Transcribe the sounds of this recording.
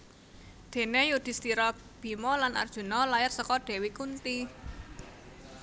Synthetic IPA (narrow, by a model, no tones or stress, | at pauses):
d̪̥e̤nejud̪̥i̤st̪iɾɔ | b̥i̤mɔlanʔa̰rd̥ʒ̥ṳnɔlajɪrsəkɔɖ̪̥e̤wikunt̪i